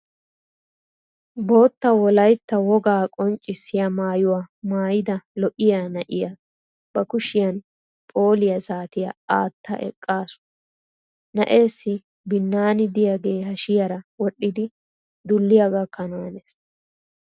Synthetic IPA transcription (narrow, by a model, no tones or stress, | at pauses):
bo̞ːt̪ːɐwɔlɐjt̪ːɐwɔɡaːkʼɔnt͡ʃʼːɪsːɪjɐmaːjʊwaːmaːjɪd̪ɐlɔʔɪjaːnɐʔɪjɐ | b̥ɐkʊʃɪjɐn | pʼo̞ːlɪjɐzaːt̪ɪjɐ̰aːt̪ːɐ̰ʔɛ̰kʼːaːsʊ̥ | nɐ̰ʔe̞ːsːɪ | bɪnːaːnɪd̪ɪjaɡe̞ːhɐʃɪjɐɾɐwɔɗːɪd̪ɪ | d̪ʊlːɪjaɡɐkʰːɐnowɐneːs